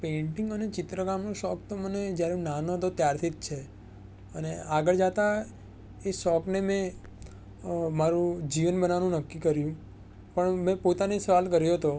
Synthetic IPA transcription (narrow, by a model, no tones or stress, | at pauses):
pẽɳʈɪŋɡənet͡ʃɪt̪ɾəɡamnũʃɔk̚t̪oməned͡ʒjaɾeũnanoɦt̪ot̪jaɾt̪ʰit̪̚t͡ʃʰe | əneaɡəɭd͡ʒat̪a | eʃɔknemẽ | maɾũd͡ʒiʋənbənaʋanũnəkːikəɾjũ | pəɳmɛ̃pot̪anesəʋalkəɾjoɦət̪o